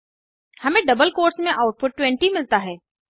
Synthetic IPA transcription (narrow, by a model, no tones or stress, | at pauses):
hɐmẽɖɐbəlkoːɾsmẽʔaːʊʈ̚pʊʈ̚ːwɛ̃ɳʈimɪlt̪aɦɛː